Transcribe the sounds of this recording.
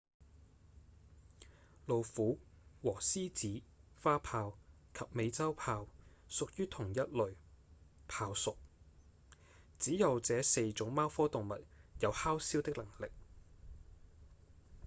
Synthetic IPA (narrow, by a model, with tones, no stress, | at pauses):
lo˨wfuː˨˥ | wɔː˨˩siː˥t͡siː˨˥faː˥pʰaː˧w | kʰɐ˨p̚me˨˧jt͡sɐ˥wpʰaː˧wsʊ˨k̚jyː˥t̪ʰʊ˨˩ŋjɐ˥t̚lɵ˨ɥ | pʰaː˧wsʊ˨k̚ | t͡siː˨˥jɐ˨˧wt͡sɛː˨˥se˧jt͡sʊ˨˥ŋmaː˥wfɔː˥t̪ʊ˨ŋmɐ˨t̚jɐ˨˧whaː˥wsiː˥wt̪ɪ˥k̚lɐ˨˩ŋlɪ˨k̚